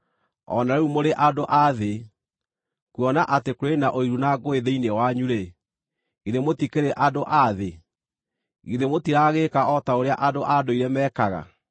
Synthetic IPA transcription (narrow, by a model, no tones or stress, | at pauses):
ɔ̰naɾɛumoɾeʔadoʔaðe | kuɔnaʔatekwenaʔoiɾunaɡoeðeinewaɲuɾe | iðemotikeɾeʔadoʔaðe | iðemotiɾaɣekaɔtaoɾeaʔadoʔadoiɾɛmɛːkaɣa̰